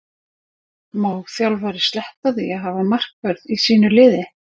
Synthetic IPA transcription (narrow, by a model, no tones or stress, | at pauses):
maːwθjawlvaːɾɪ̥st̪lɛht̪aðiaɦavamar̥kvœɾðisiːnʏlɪːðɪ